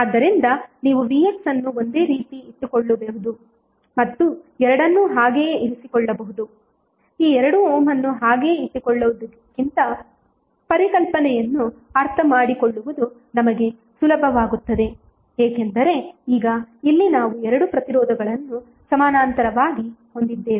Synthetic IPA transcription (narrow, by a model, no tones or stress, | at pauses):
aːd̪ːɐɾind̪ɐniːʋuʋieksɐnːuo̞nd̪e̞ːɾiːt̪iit̪ːukɔɭːubeɦud̪u | mɐt̪ːuɛɾɐɽɐnːuɦaːɡeːiɾisikɔɭːɐbɐɦud̪u | iːɛɾɐɽuɔːmɐnːuɦaːɡe̞ːit̪ːikɔɭːuʋud̪ɐkːint̪ɐ | pɐɾikɐlpɐnɛjɐnːuɐɾt̪ʰɐmaːɽikoɭːuʋud̪u | nɐmɐɡe̞ | sulɐbʱɐʋaːɡut̪ːɐd̪e̞ | eːkend̪ɐɾe̞iːɡɐilːinaːʋuɛɾɐɽupɾɐt̪iɾɔːd̪ʱɐɡɐɭɐnːu | sɐmaːnaːnt̪ɐɾɐʋaːɡiho̞nd̪id̪ːeːi